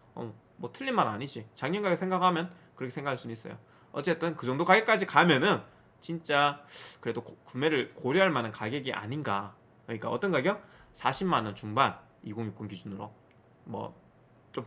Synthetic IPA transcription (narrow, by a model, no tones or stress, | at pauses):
ʌm | mwʌtʰɯʎːinmaɾa̰ɲid͡ʑit͡ɕaŋɲʌnɡaɡesʰe̞ŋɡaɡhamjʌn | kɯɾʌkʰsʰeŋɡakʰaɭs͈unuis͈ʌjo̰ | ʌt͡ɕ͈e̞t͈ɯnkɯd͡ʑʌŋdokaɡek͈ad͡ʑikamjʌnɯn | t͡ɕint͡ɕ͈akɯɾe̞dokume̞ɾɯɭkoɾjiɦaɭmanɯnkaɡe̞ɡiʔa̰ɲinɡa | kɾʌɲik͈aʌt͈ʌnɡaɡjʌŋsʰaɕʰimmanʌnt͡ɕuŋban | iɡoŋjuk͈unkid͡ʑunɯɾo̰ | mwʌ̰ | t͡ɕ͈om